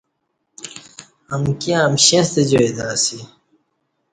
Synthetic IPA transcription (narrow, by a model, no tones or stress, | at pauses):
ɐmkiãmɕẽst̪ed͡ʑoed̪aːsi